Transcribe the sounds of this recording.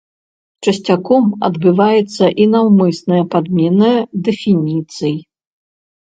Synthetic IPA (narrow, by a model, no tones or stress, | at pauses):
t͡ʂɐsʲt͡sʲakɔmɐd̪bɨvajɛt̪sːɐʔinɐwmɨsnɨjɐpad̪mʲɛnɨd̪ɛfʲinʲit̪sɨj